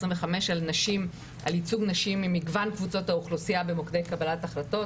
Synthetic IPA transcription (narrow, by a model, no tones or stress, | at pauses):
esʁĩmveχame̞ʃalnaʃim | ʔa̰lit͡suɡnaʃimimiɡvankvut͡so̞thauχlusiabemokd̪e̞jkabalataχlato̞